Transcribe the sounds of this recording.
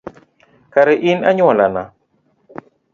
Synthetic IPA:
kaɾɛʔina̰ɲɔlana

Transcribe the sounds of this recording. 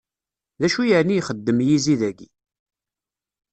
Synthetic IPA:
ðæʃujəʕnijχəd̪ːəmjiziðæɡḭ

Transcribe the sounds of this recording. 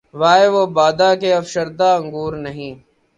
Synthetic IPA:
ʋaːeːʋoːbaːd̪aːkeːəfʃəɾd̪aːəŋɡuːɾnəɦĩː

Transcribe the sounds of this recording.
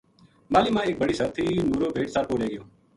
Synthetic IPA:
maːliːmãːeːk̚bəɽiːsəɾt̪ʰiːnuːɾoːbʱeːʈsəɾpoːleːɡəjõː

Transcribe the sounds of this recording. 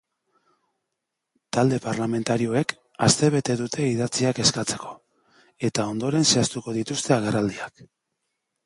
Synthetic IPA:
t̪ald̪e̞paɾlame̞nt̪aɾio̞e̞k | ast̪e̞β̞e̞t̪e̞ðut̪ʰe̞iðat͡siake̞skat͡se̞ko̞ | e̞t̪ao̞nd̪o̞ɾe̞nse̞ast̪uko̞ðit̪ust̪e̞aɣe̞rald̪iak

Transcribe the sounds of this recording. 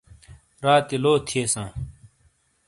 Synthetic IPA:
ɾaːt̪iloːt̪ʰieːsãː

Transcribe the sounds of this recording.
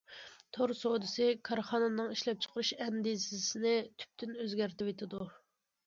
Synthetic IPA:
t̪ʰoɾsod̪ɨsɪkʰɑɾχɑnɨnɨŋiʃlɛp̚t͡ʃʰə̥qʰəɾɨʃɛnd̪izɪsɪnɪt̪ʰy̥p̚t̪ynøzɡʲæɾt̪ɪwet̪ʰɪd̪u

